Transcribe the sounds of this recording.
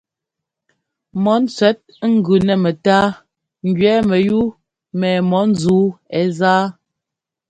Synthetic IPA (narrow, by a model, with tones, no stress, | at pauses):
mɔ˨˦n̩˦t͡sɥɛ˨˦t̚ŋ̩˦ɡʉ˨nɛ˨mɛ˨taː˦ | ŋ̩˨ɡɥɛː˨˦mɛ˨ju˦ | mɛː˨mɔ˨˦n̩˦zuː˨˦ɛ˦zaː˦